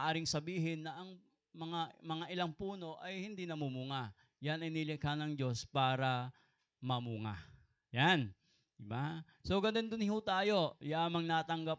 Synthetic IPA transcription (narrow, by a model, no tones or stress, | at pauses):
ʔaːɾɪŋsɐbiːɦɪnːɐʔɐŋ | mɐŋamɐŋaʔɪlaŋpuːno̞ʔɐjhɪnd̪inɐmumuŋa | janɐjnilɪkhanɐŋd͡ʒo̞spaːɾɐ | mɐmuŋa̰ | jan | d̪ɪba | so̞ɡɐnd̪ond̪ʊnɪɦut̪aːjo̞jaːmɐŋnaːt̪ɐŋɡap̚